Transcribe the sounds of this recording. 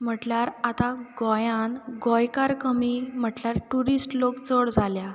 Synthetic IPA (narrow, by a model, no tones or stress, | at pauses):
m̤əʈljaɾat̪aɡɔjãnɡɔjkaɾkəmim̤əʈljaɾʈuɾisʈlokt͡səɽd͡zʱalja